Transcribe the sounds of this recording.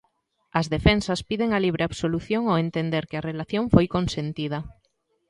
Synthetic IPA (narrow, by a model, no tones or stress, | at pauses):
ɐzðefensɐspiðeŋɐliβ̞ɾʔeaβsoluθjoŋoent̪end̪eɾkeɐrelaθjoŋfojkonsent̪ið̞ɐ